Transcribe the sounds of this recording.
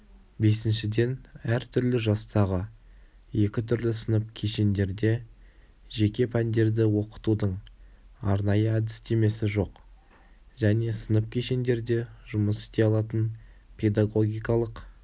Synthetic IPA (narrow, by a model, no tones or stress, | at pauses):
be̞sɪnʃɪd̪e̞næɾt̪ʰʏɾlɪʒɑst̪ɑʁə | je̞kʲɪt̪ʰʏɾlɪsənəp̚kʲʰe̞ʃe̞nd̪e̞ɾd̪e̞ | ʒe̞kʲe̞pʰænd̪e̞ɾd̪ɪwo̞qə̥t̪ud̪əɴ | ɑɾnɑjəæd̪ɪst̪e̞me̞sɪʒo̞q | ʒ̥æne̞sənəp̚kʲʰe̞ʃe̞nd̪e̞ɾd̪e̞ʒʊməsɪ̥st̪e̞ɑlˠɑt̪ən | pʰe̞d̪aɡo̞ɡʲijkɑlˠəq